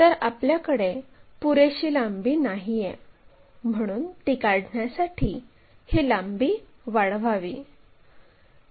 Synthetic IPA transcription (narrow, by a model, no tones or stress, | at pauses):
t̪əɾapljakəɽepuɾeɕiːlambiːnaɦijɛ | m̤əɽ̃uːnt̪ikaɽɳjasaʈʰiː | hilambiː | ʋaɽʋaʋiː